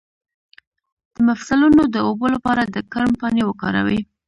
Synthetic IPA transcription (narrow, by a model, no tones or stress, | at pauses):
d̪̥əmafsalunod̪əobolapɑɾad̪əkaɾmpɑnewəkɑ̰ɾa̰wi